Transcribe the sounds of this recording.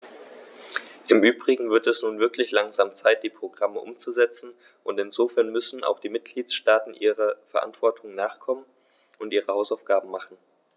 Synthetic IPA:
ʔɪmʔyːbʁɪɡŋ̩vɪɐtɛsnuːnvɪɐklɪçlaŋzaːmt͡saɪt̚d̥iːpʁ̥oɡʁaməʔʊ̰mt͡suzɛt͡sn̩ | ʔʊntɪnzoːfɛɐnmʏsn̩a̰ʊxd̥iːmɪt̚ɡ̥liːtʃtaːtn̩ʔiːʁəfɛɐʔa̰ntv̥ɔɐtʰʊŋnaːχkʰɔmən | ʔʊntʔiːʁəhaʊsaʊfɡ̥aːbm̩maχn̩

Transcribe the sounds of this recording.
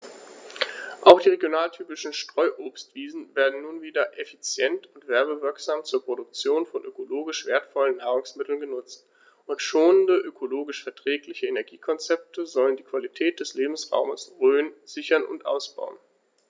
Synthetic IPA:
ʔaʊxd̥iːʁeɡjonaːltʰyːpɪʃn̩ʃtʁ̥ɔʏʔoːpstv̥iːzn̩veːɐdn̩nuːnviːdɐʔefit͡sjɛntʊntv̥ɛɐbəvɪɐkz̥aːmt͡suːɐpʁ̥oɾʊk̚t͡sjoːnfɔnʔøkoloːɡɪʃv̥eːɐtfɔlənːaːʁʊŋsmɪtl̩nɡənʊt͡st | ʊntʃoːnəndəʔøkʰoloːɡɪʃfɛɐtʁ̥ɛːklɪçəenɛɐɡiːkʰɔnt͡sɛp̚təzɔləndiːkv̥alitʰɛːt̚d̥ɛsleːbm̩sʁa̰ʊməsʁøːnz̥ɪçɐnʊ̰ntʔa̰ʊsb̥a̰ʊən

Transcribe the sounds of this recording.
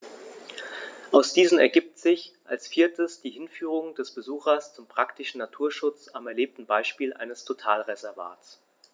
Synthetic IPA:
ʔaʊsd̥iːzn̩ɛ̰ɐɡiːp̚tz̥ɪçʔa̰lsfiːɐtʰəsd̥iːhɪnfyːʁ̞ʊŋd̥ɛsb̥əzuːxɐst͡sʊmpʁ̥aktɪʃn̩natʰuːɐʃʊt͡samɛɐleːp̚tn̩baɪʃpiːlʔa̰ɪnəstʰotʰaːlʁezɛɐva̰ːtt͡s

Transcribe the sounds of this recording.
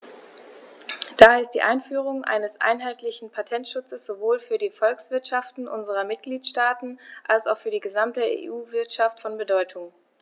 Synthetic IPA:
d̥aːaɪst̚d̥ḭːʔaɪnfyːʁ̞ʊŋʔa̰ɪnəsʔa̰ɪnɦaltʰlɪçn̩pʰatʰɛntʃʊt͡səsz̥ovoːlfyːɐdiːfɔlksv̥ɪɐtʃaftn̩ʔʊnzəʁɐmɪt̚ɡ̥liːtʃtaːtn̩ʔalsaʊxfyːɐdiːɡəzamtəḛːʔuːvɪɐtʃaftfɔnbədɔʏtʰʊŋ

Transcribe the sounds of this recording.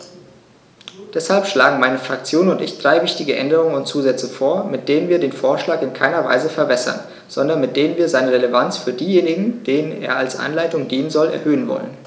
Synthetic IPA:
d̥ɛshalpʃlaːɡŋ̩maɪnəfʁ̥akt͡sjoːnʊntɪ̰çd̥ʁaɪvɪçtɪɡəʔɛ̰ndəʁʊŋənʊntt͡suːzɛt͡səfoːɐmɪt̚d̥eːnənviːɐdeːnfoːɐʃlaːkɪnkʰa̰ɪnɐva̰ɪzəfɛɐvɛsɐ̰n | z̥ɔndɐnmɪt̚d̥eːnənviːɐzaɪnəʁeləvant͡sfyːɐdiːjeːnɪɡŋ̩d̥eːnənḛːɐalsʔa̰nlaɪtʊŋdiːnənzɔlɛ̰ɐhøːənvɔ̰lə̰n

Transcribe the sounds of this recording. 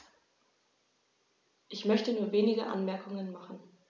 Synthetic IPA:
ʔɪçmœçtənuːɐveːnɪɡə̰ʔa̰nmɛɐkʊŋənmaχn̩

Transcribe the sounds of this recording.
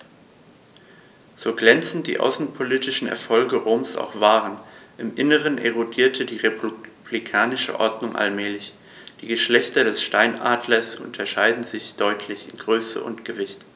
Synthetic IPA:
z̥oːɡlɛnt͡sn̩td̥ḭːʔa̰ʊsn̩pʰolitɪʃn̩ɛ̰ɐfɔlɡəʁoːmsʔa̰ʊxv̥aːʁənʔɪmʔɪnəʁənʔeʁodiːɐtʰədiːʁepʰub̥likʰaːnɪʃə̰ʔɔɐdnʊŋʔa̰lmɛːlɪç | d̥iːɡəʃlɛçtɐdɛsʃtaɪnʔa̰ːdlɐsʔʊ̰ntʰɐʃaɪdn̩zɪçd̥ɔʏtʰlɪçɪnɡʁøːsə̰ʔʊ̰ntɡ̥əvɪçt

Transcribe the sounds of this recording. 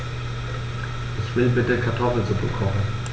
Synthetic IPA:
ʔɛçv̥ɪlbɪtəkʰaɐtʰɔfl̩t͡subəkʰɔmən

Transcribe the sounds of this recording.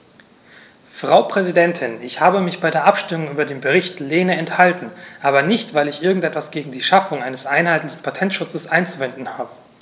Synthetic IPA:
fʁ̥aʊpʁ̥ɛzidɛntʰɪnɪçhaːbəmɪçb̥aɪɾeːɐʔapʃtɪmʊŋʔyːbɐdeːnbəʁɪçtleːnəɛnthaltn̩ʔaːbɐnɪçtv̥aɪlɪçʔɪɐɡŋ̩tʔɛtv̥asɡ̥eːɡŋ̩diːʃafʊŋʔaɪnəsʔaɪnhaɪtlɪçn̩pʰatʰɛntʃʊt͡səsʔaɪnt͡suvɛndn̩haːbə

